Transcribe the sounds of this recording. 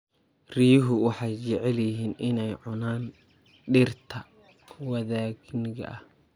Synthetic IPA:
riːjɦʊwɑħɑjt͡ʃɛʕɛljɪɦiːnɪnɛjʕʊnaːn | ɖɪrt̪ʰɐ | wɐðaːɡnɪɣɐ̰ʔɐh

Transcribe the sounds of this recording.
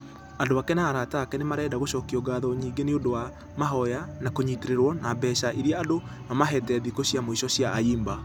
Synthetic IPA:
andoakɛnaːɾataːkɛnemaɾɛːdaɣoʃɔkiɔɡaːðɔɲiːɡeneondowa | maɦɔjanakoɲiteɾeɾwɔnabɛːʃaʔeɾjaado | amaɦɛtɛðikoɕjamoiʃɔɕjaːiːmba

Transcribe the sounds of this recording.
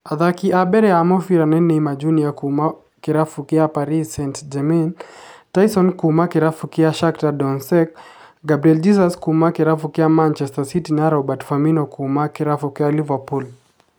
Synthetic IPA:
aðakiʔabɛɾɛamɔfiɾanɛnːɛimad͡ʒuniakuma | kiɾafukiapaɾisɛntd͡ʒɛmɛntajsɔnkumakiɾafukiaʃaktadɔnsɛk̚ | ɡabɾiɛld͡ʒis̬askumakɛɾafukɛamant͡ʃɛstasitinaɾabatfaminɔkʰumakɛɾafukɛalivapul

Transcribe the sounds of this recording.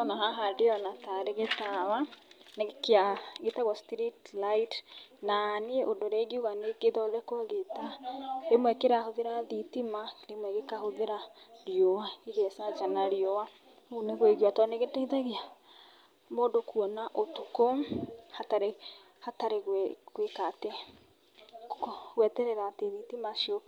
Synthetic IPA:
ɔnaɦaɦadeanataɾeɣetawanekeaɣetaɣwɔstɾitlaitnanieʔodoɾɛɣiuɣanekeðɔlɛkwaɣetaɾemwɛkeɾahoðeɾaðitimaɾemwɛɣekahoðeɾaɾjowaiɣɛsad͡ʒanaɾjowa | uneɣoeɣiwatɔneɣeteiðaɣia | moːdokuɔnaʔotukohataɾe | hataɾeɣwkwekate | ɣwɛtɛɾɛɾaːteðitimaʃio

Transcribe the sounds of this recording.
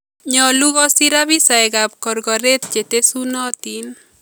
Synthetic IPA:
ɲɔluɣɔsiɾaβisajɡap̚kɔrɡɔɾet̪̚t͡ʃet̪esunɔt̪in

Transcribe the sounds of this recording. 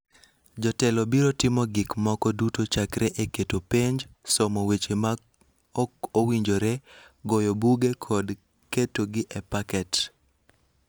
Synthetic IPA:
d͡ʒɔtɛlɔbiɾotɪmɔɡɪkmɔkɔdutot͡ʃakɾʔɛʔeketopeɲd͡ʒsɔmowet͡ʃema | owiɲd͡ʒoɾɛɡojɔbuɡekʰɔd | ketoɡɪʔɛpakɛt

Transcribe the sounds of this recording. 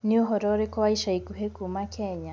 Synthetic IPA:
niɔɦɔɾɔɾikɔaiʃaikuɦekumakʰɛɲa

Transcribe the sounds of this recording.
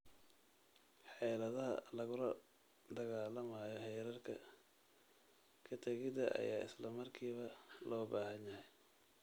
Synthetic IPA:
ħɛjlɐðɐɦɐ̰lɐɣʊɾɐ | d̪ɐɣaːlɐmaːjɔhɛjɾɐrkʰɐ̰ | kʰɐt̪ʰɛɣɪd̪ɐʔɐ̰jaːɪ̰slɐmɐrkʰiːβɐlɔːbaːhɐnjɐhɛj

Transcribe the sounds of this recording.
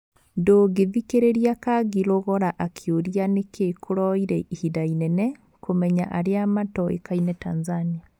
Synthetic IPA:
ndoːɡeðikeɾeɾiakaɣiloɣɔɾaʔakʰeoɾianekekʰoɾɔiɾɛʔihidainɛnɛ | komɛɲaʔaɾeamatɔḛkainɛtanzania

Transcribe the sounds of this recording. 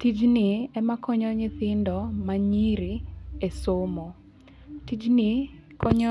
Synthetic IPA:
tid͡ʒnɪɛmakɔɲɔɲɪθɪndɔmaɲiɾiesomo | tid͡ʒnɪ | kɔɲɔ

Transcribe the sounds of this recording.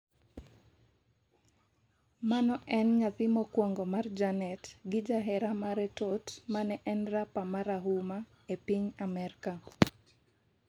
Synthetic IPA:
manɔʔɛnŋatimɔkwɔŋɡɔmard͡ʒanɛtɡɪd͡ʒaɦɛɾamaɾɛtotmanɛʔɛnrapamaɾaɦuma | epiɲamɛɾka

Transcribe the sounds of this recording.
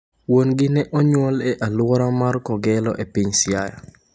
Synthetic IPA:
wonɡɪnɛʔɔɲwɔlɛʔalwɔɾamarkɔɡɛlɔ̰ʔepiɲsjaja̰

